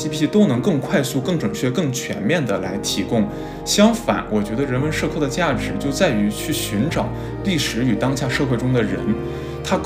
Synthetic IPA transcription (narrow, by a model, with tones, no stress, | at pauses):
i˥pʰi˥i˥t̪o˥ʊnɤ˧˥ŋkɤ˥˧ŋkʰwa˥˧ɪsu˥˧kɤ˥˩ŋʈ͡ʂə˨˩ŋt͡ɕʰɥɛ˥˧kɤ˥˩ŋt͡ɕʰɥɛ̰˧˥nmjɛ˥˩nd̪ə˩la˧˥ɪt̪ʰi˧˥kʊ˥˩ŋ | ɕjɑ˥ŋfa̰˨˩˦nwʔɔ˨˩t͡ɕɥɛ˧˥d̪ə˧ɻə˧˥nmə˧˥nʂɤ˥˧kʰɤ˥˩d̪ə˩t͡ɕja˥˩ʈ͡ʂɻ̩˨˧˥t͡ɕjo˥˧ʊt͡sa˥˩ɪy˧˥t͡ɕʰy˥˩ɕy˧˥nʈ͡ʂɑ˨˩ʊ | li˥˩ʂɻ̩˧˥y˨˩t̪ɑ˥ŋɕja˥˧ʂɤ˥˧xwe˥˩ɪʈ͡ʂʊ˥ŋd̪ə˨ɻə̰˧˥n | t̪ʰa˥k